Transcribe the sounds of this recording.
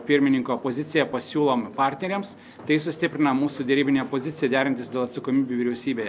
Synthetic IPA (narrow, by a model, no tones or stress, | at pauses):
pʲɪɾʲmʲɪnʲɪŋkopoːzʲɪt̪sʲɪjɛpɐsʲuːlˠompɑːɾʲt̪ʲnʲɛɾʲeːms | t̪ɐɪsʊsʲt̪ʲɪpʲɾʲɪnɐmuːsud̪ʲɛɾʲiːbʲɪnʲepoːzʲɪt̪sʲɪjɛd̪ʲæːɾʲɪnt̪ʲɪsd̪ʲelˠɐt̪sɐkoːmʲiːbʲuʋʲɪɾʲɛʊsʲiːbʲeːjɛ